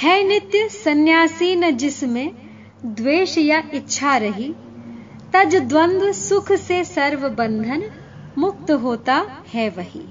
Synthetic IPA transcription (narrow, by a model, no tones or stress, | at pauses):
hɛːnɪt̪jəsɐnjaːsiːnəd͡ʒɪsmẽ | d̪ʋeːʃjaɪtːʃʰaɾɐɦi | t̪ɐd͡ʒd̪ʋɐ̃nd̪ʋəsʊkʰsesɐɾʋɐbɐ̃nd̪ʱən | mʊk̚t̪ɦoːt̪ahɛʋɐɦḭː